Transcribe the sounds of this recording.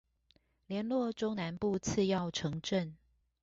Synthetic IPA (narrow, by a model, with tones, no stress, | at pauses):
ljɛ˧˥nlwɔ˥˨ʈ͡ʂo˥ŋna˧˦npu˥˧t͡s̩ʰ˥˧jɑ˥˨ʊʈ͡ʂʰɤ˧˥ŋʈ͡ʂə˥˨n